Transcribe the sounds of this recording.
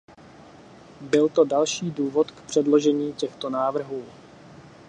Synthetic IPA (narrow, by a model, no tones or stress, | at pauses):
bɪlt̪o̞dalʃiːduːvo̞t̪kpr̝̥ɛdlo̞ʒɛɲiːcɛxt̪o̞naːvr̩ɦuː